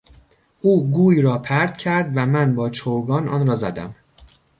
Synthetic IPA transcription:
ʔuːɡuːiːɾɒːpʰæɾd̪̥̚cʰæɾd̪væmænbɒːt͡ʃʰoɡɒːnɒ̰ːnɾɒːzæd̪æ̰m

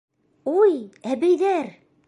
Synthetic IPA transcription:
ujæbæ̆jðæɾ

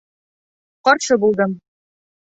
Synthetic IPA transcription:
qɒɾʃɤbulˠd̪ɤm

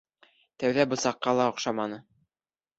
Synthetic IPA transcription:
t̪æwðæbŏsɑqːɑlˠɑŏqʃɑmɑnɤ

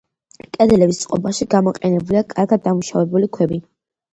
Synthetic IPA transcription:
kʼɛd̪ɛlɛbist̪sʼqʼɔbaʃiɡamɔqʼɛnɛbuliakʼaɾɡad̪ːamuʃavɛbulikʰwɛbi

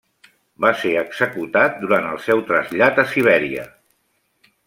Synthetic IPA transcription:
baseəɡz̥əkut̪at̪̚d̪uɾant̪əlˠsɛwt̪ɾəzʎat̪əsiβ̞ɛɾiə̰

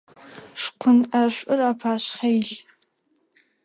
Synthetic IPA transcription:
ʂqʷʰʊnaʃʷʼʊrapʰaʃʷχejɮ

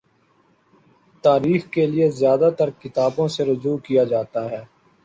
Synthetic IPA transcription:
t̪aːɾiːxkeliezjaːd̪at̪ɐɾkɪt̪aːbõseɾʊd͡ʒuːkijad͡ʒaːt̪aɦɛː

